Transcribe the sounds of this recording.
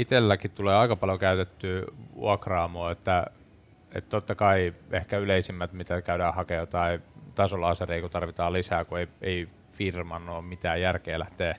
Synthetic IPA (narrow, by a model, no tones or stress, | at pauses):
it̪elːækitt̪uleːɑikɑpɑljokæyt̪et̪ːyːʋṵɑkrɑːmoːet̪ːæ | ḛt̪t̪ot̪ːɑkɑiehkæyleisimːæt̪mit̪ækæydæːhɑkejot̪ɑit̪ɑsolɑːsereikut̪ɑrʋit̪ɑːlisæːkueiei | firmɑnːoːmit̪æːjjærkeːlæ̰ht̪eː